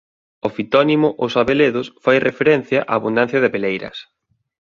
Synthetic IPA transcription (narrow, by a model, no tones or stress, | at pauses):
oʊfit̪ɔnimʊʔʊsaβeleðʊsfajrʔefeɾɛn̟θjɐʔaːβund̪an̟θjɐðɪpelejɾɐ̰s